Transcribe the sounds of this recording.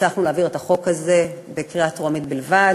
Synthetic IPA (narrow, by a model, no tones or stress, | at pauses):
aχnuleːviʁet̪aχo̞khaze̞be̞kʁiatʁoamit̪̚bilva